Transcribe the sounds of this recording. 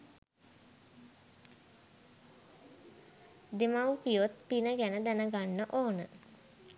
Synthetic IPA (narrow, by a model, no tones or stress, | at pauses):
d̪emawpijot̪pinəɡænəd̪ænəɡanːəʔoːnə